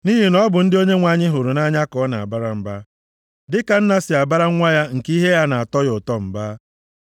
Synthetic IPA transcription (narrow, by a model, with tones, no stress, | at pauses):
ni˦ɦi˨nɔ˦bʊ˨n̩˦dɪ˦o˦ɲe˦ŋʷa˨ɲɪ˦ɦʊ˨ɾʊ˨na˦ɲa˦kɔ˨˦na˨a̰˨ba˦ɾa˨m̩˨ba˦ | dɪ˦ka˨n̩˦na˨sɪ˨a˨ba˦ɾa˦ŋʷa˦ja˦ŋ̩˨ki˦ɦe˦ja˦na˨a˨tɔ˦jʊ˨tɔ˦m̩˨ba˦